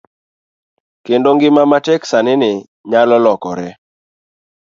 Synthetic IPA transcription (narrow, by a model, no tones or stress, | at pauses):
kendoŋɡɪmamatɛksanɪnɪ | ɲalɔlɔkɔɾɛ